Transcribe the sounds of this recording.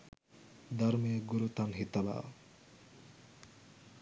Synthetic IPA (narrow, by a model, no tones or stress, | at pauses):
d̪aɾmieɡuɾut̪anɦit̪ːala̰